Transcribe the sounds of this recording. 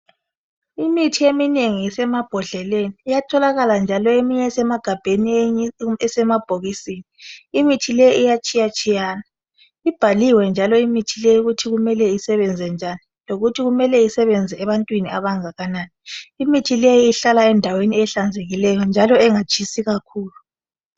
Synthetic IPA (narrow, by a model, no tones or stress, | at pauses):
imitʰiemineŋiisɛmab̥ʱɔɮɛleniːjatʰɔlaɣaland͡ʒʱalɔemiɲɛsɛmaɡ̥ʱab̥ʱeni | ɛsɛmab̥ʱoɣisiːniːmitʰilejiʔijat͡ʃʼijat͡ʃʼijaːna | ib̥ʱaliwɛnd͡ʒʱalɔimitʰilejuɣutʰiɣumɛlɛisɛβɛnd͡zʱɛnd͡ʒʱaniloɣutʰiɣumɛlɛisɛβɛnd͡zʱɛɛβantʼwiniaβaŋaɣanaːniimitʰilejiiɬalaɛndʱaweniɛɬand͡zʱeɣilɛjɔnd͡ʒʱalɔɛŋat͡ʃʰʼisiɣakʰuːlu